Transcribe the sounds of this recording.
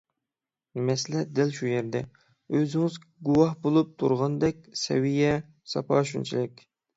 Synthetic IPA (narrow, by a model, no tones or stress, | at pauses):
mɛslɛd̪ɪlʃujɛɾd̪ɛ | øzɪŋɪz | ɡuwɑhbolˠup̚t̪ʰṵɾʁɑnd̪ɛkʲsɛ̰wijɛ | sɑ̰pʰɑːʃynt͡ʃʰilɪkʲ